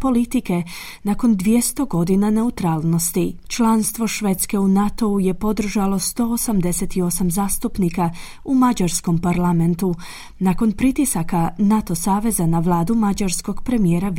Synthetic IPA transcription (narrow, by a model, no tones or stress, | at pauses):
po̞lit̪ike̞ | nako̞nd̪ʋje̞st̪o̞ɡo̞d̪inane̞ut̪ɾaːlˠno̞st̪it͡ʃlˠanst̪ʋo̞ʃʋet̪ske̞unat̪o̞uje̞po̞d̪r̩ʒalo̞st̪o̞osamd̪e̞set̪io̞samzaːst̪upnika | umad͡ʒaɾsko̞mpaɾlˠame̞nt̪u | nako̞npɾit̪isakanat̪o̞saːʋe̞zanaʋlˠaːd̪umad͡ʒaɾsko̞ɡ̥pɾe̞mijeːɾa